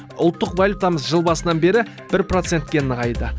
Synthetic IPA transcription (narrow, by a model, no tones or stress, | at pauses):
ʊ̰lˠt̪ːəqvalʲjut̪ɑməsʒəlˠbɑsənɑnbe̞ɾɪ | b̥ɪɾpro̞t̪se̞nt̪̚kʲe̞nəʁɑjd̪ə